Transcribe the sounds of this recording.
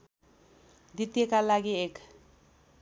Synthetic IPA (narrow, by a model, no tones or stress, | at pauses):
d̪it̪ijekalaɡiek